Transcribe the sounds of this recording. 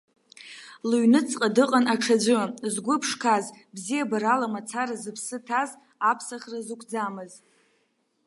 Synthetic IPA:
luɥnɨt͡sʼqʼadɨqʼanaʈ͡ʂʰad͡ʒʷʊzɡʷʊpʰʂkʰaz | bzijabaɾalamat͡sʰaɾazɨpʰsɨtʰaz | apʰsaχrazukʷʰd͡zamɨz

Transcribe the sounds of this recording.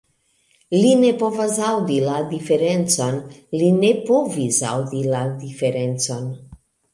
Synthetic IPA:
linepovasawd̪ilad̪ifeɾent͡sonlinepovisa̰wd̪ilad̪ifeɾentt͡son

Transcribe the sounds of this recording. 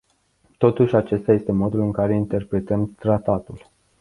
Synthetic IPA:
t̪o̞t̪uʃʲat͡ʃe̞st̪aje̞st̪e̞mo̞d̪ulɨŋkaɾe̞int̪e̞rpɾe̞t̪əmt̪ɾat̪at̪ul

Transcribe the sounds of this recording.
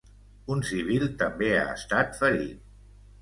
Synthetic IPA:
unsiβ̞ilˠt̪əmbea̰ə̰st̪at̪fəʎḭt̪̚

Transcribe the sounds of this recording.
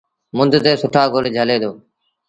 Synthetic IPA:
mʊnd̪ʱt̪eːsʊʈʰaːɡoːleːd͡ʒʱəleːd̪oː

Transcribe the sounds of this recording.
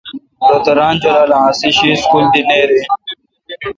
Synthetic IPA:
d̪ot̪ɐɾaːnd͡ʑolaːlããːsiɕiːskuːld̪ineːɾe

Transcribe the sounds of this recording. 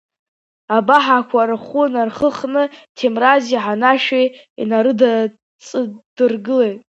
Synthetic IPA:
abaħakʷʰaɾɨχunarχəχnɨtʰemraziħanaʃej | ḭnaɾɨda | t͡sʼd̥ɨrɡɨle̞jtʼ

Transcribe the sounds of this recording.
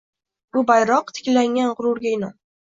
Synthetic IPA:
b̥ʊbajɾɒqt̪ʰɪ̥kʲlaŋʲanʁʊɾʊɾɡʲaɪnɒn

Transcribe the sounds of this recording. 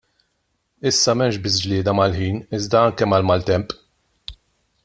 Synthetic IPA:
ɪsːɐmɛmʃbɪs̬d͡ʒlɪːd̪ɐmɐlħiːnɪzd̪ɐɐŋkɛmɐlmɐlt̪ɛmpʼ

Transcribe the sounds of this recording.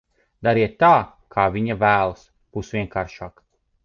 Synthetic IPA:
d̪aɾiɛt̪ːaː | kʰaːviɲavæːlˠs | b̥usviɛŋkaːɾʃaːk

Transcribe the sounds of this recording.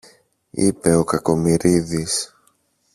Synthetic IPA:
ḭpe̞o̞kɐko̞miɾiðis

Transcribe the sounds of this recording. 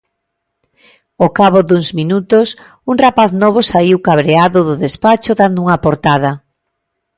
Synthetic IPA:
okaβod̪uŋzmĩnut̪ʊs | uŋrapaθnɔβ̞ʊsaiwkaβɾeaðʊðʊðespat͡ʃʊðand̪ʊuŋɐpoɾt̪aðɐ

